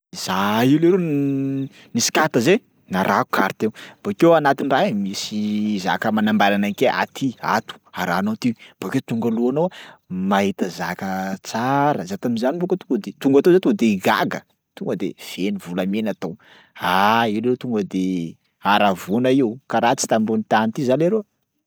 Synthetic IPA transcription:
z̥aileɾo | nisi̥kat̪əze | naɾʔaku̥kʰaɾt̪eb̥akewanat̪iniraɦmisiza̰kəmanambaɾanakeʔa̰t̪ʰia̰t̪u̥aɾa̰ːnot̪ib̥aket̪uŋɡaluanowamaɦit̪əzakət͡saɾəzat̪aminzanibokət̪uŋɡəd̪et̪uŋɡat̪ozet̪uɡd̪eiɡa̰ɡə̰ | t̪uŋɡəd̪ḛv̥enivulamenat̪ow | aileɾot̪uŋɡəd̪e | aɾavunaiukaɾat͡si̥t̪amɾunit̪anit̪izaleɾo

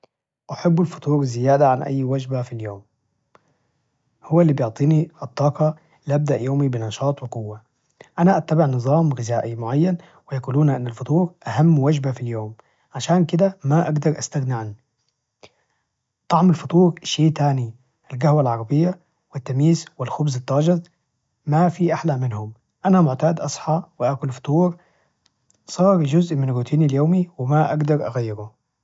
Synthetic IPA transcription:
ʔaħabːalfʊ̥t̪ˤuːɾˤɪzːɪjaːd̪aʕanʔa̰jːwad͡ʒbafiljoːm | hʊwːalːiːbjʊʕt̪ˤiːniʔɨt̪ˤːɑːqɑ | lɪʔab̚d̪aʔjoːmibɪnɑʃɑːt̪ˤwɪqʊwːa | ʔanaʔat̪ːabɪʕnɨzˤɑːmɣɪzaːʔimʊʕajːan | wɪjakuːluːnʔɪnːalfʊt̪ˤuːɾʔahamːwad͡ʒbafiljoːm | ʕaʃaːnkɪd̪amaʔaɡd̪ɑɾˤʔast̪aɣnɪʕanː | t̪ˤɑʕmalfɑt̪ˤuːɾʃːeːʔt̪aːni | ʔɪlɡahwalʕɑɾˤɑbɪjːa | wɪt̪ːamiːzwɪlxʊbzɪt̪ˤːɑːd͡ʒɪðˤ | mafiʔaħlamɪnhʊm | ʔanamʊʕt̪aːd̪ʔɑsˤħɑwɪʔaːkʊlfɑ̥t̪ˤuːɾ | sˤɑːɾˤd͡ʒʊzʔmɪnɾuːt̪ʰiːnaljoːmiwɪmaʔaɡd̪ɑɾˤʔaɣajːɪɾu

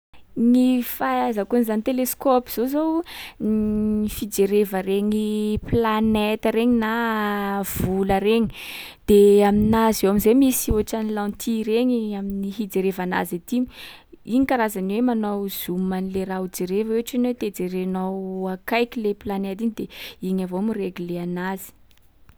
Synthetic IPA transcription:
nifazakuanizanit̪eleskɔpiz̥ozownifid͡ʒeɾevəɾeɲiplanet̪əɾeɲina | v̥uləɾeɲi̥ | d̪̥eaminazewamizemisioʈ͡ʂanilãnt̪ʰiɾeɲiaminiɦid͡zeɾevana̰zet̪imuiɲikaɾazanwemanowz̥umanileɾaud͡ʒeɾevəeaʈ͡ʂanwet̪ed͡zeɾenawakajkʲileplanet̪iɲid̪eiɲavomireɡileanazi̥

